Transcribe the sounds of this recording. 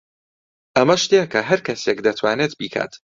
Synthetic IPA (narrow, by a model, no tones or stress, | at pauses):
ʔɐmɐʃt̪ekɐɦɐɾkɐsekd̪ɐt̪ʰwaːnet̪biːkʰa̰ːt̪